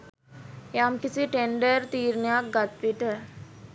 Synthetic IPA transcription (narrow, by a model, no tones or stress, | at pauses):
jamkisiʈeɳɖəɾt̪iːɾnəjak̚ɡat̪ʋiʈə